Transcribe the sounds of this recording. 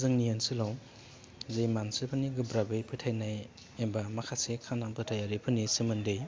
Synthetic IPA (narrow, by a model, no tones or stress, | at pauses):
zɯŋnijansɯlaw | zejmansɯpʰɯniɡɯbɾabɯjpʰɯtʰajnaj | ebamakʰasekʰanaŋpʰɯtʰajaɾipʰɯnːisemɯndej